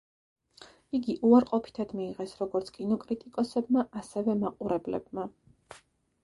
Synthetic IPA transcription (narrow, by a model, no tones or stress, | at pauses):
iɡiʔuaɾqʼɔpʰi̥t̪ʰad̪miːʁɛsɾɔɡɔɾt̪sʰkʼinɔkʼɾit̪ʼikʼɔsɛbmaʔasɛvɛmaqʼuɾɛblɛ̰b̚ma